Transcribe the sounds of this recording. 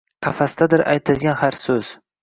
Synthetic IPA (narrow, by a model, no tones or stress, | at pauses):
qʰafast̪ad̪ɪɾʔa̰jt̪ʰɪlɡʲanhaɾsɵz̥